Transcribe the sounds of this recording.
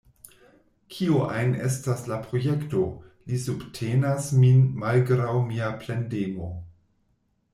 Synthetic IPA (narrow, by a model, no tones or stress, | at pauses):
kʰioʔa̰jnḛstaslapɾo̞je̞kto̞lisubtʰenasminmalɡɾawmiaplendemo̞